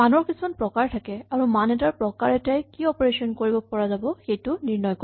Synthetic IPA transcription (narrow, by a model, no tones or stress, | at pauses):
manɔɹkisumanpɹɔkaɹtʰakɛaɹumanɛtaɹpɹɔkaɹɛtajkiɔpɔɹesɔnkoɹibɔpɔɹazabɔxejtʊniɹnɔjkɔ